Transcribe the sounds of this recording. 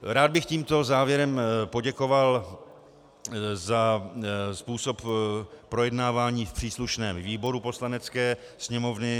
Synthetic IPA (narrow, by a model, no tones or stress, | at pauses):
ɾaːd̪̚bɪxciːmt̪o̞zaːvjɛɾɛmpo̞ɟɛko̞val | za | spuːso̞ppɾo̞jɛdnaːvaːɲiːfpr̥iːsluʃnɛːmviːbo̞ɾupo̞slanɛt͡skɛː | sɲɛmo̞vnɪ